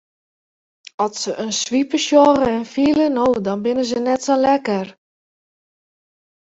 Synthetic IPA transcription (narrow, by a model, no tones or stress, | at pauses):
ɔtsəʔənsʋipəʃjɔɣəɛnfilənoːdɔnbɪnəzənɛtsolɛkər